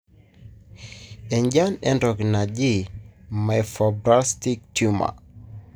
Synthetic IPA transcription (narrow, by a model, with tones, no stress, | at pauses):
ɛ˨ɲd͡ʒa˦nɛ˦ndɔ˨ɡna˨d͡ʒɪ˦˨ma˨ɛfɔ˨bɾa˦sti˦k̚tu˦ma̰˨